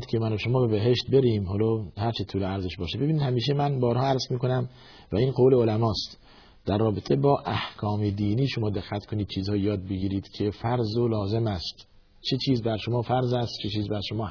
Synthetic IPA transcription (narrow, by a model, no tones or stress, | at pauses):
d̪kʲʰemænoʃomɒːbe̞beɦeʃt̪̚beɾiːmhɒːlɒːhæɾt͡ʃʰet̪ʰuːleæɾzeʃbɒːʃebebiːniːd̪hæmiːʃ̬emænbɒːɾhɒːæɾzmiːkonæm | væiːnqowleolæmɒːst̪ | d̪̥æɾːɒːbet̪ʰebɒːʔæhkʰɒːmed̪iːniːʃomɒːd̪eɡːæt̪kʰoniːd̪̚t͡ʃʰiːzhɒːjijɒːd̪̚beɡiːɾiːd̪̥cʰefæɾzolɒːze̞mæst̪ | t͡ʃʰet͡ʃʰiːzbæɾʃomɒːfæɾzæst̪t͡ʃʰet͡ʃʰiːzbæɾʃomɒː